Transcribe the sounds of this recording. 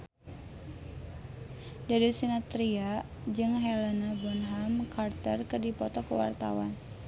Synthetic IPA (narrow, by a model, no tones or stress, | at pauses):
daɾisinat̪ɾia | d͡ʒɨŋɦɛlanabɔnɦamkart̪ərkɨrdipɔt̪ɔkəwa̰rt̪a̰wa̰n